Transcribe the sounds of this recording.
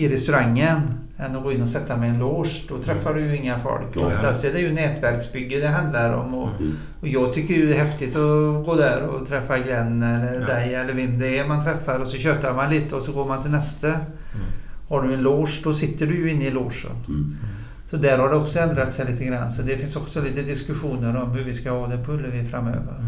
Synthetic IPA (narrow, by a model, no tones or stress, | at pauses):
ɪɾɛst̪ʉɾaŋːən | ɛnːɔɡoːɪnːɔsɛt̪ːamɛɪɛnloːʂd̪ɔt̪ʰɾɛfːaɖɵjʉɪŋːafɔ̰lkɔ̰fast̪ɛd̪ɛɾjɵnɛːt̪væɾksbʏɡːəd̪ɛɦɑnd̪laɾɔ̰mɔ | jɑːɡ̚t̪ʰʏkːəjɵd̪ɛɦɛft̪ɪt̪ɔɡoːd̪æɾɔ̰t̪ʰɾɛfːaɡlɛnːd̪æɪɛlːəɾvɛmd̪ɛæɾmant̪ʰɾɛfːaɾɔsɔɕøːt̪aɾmanliːt̪əɔsɔɡoːɾmant̪ʰɪlnɛst̪ə | haɖɵɛnloːʂd̪ɔsɪt̪ːəɖɵjɵɪnːəɪloːʂə̰n | sɔd̪æɾhaɖɛɔksɔɛnd̪ɾat̪sɛɪliːt̪əɡɾa̰nːsɔd̪ɛfɪnsɔksɔliːt̪əd̪ɪskʉɧuːnəɾɔmhʉɾvɪskahɑːd̪ɛpʰɵlːəvɪfɾamːø̰ːvə̰ɾ